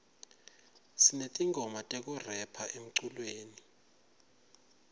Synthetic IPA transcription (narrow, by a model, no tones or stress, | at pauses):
sinetʼiŋɡʱɔmatʼek̬ʼurɛpʰaʔem̩ǀulweːni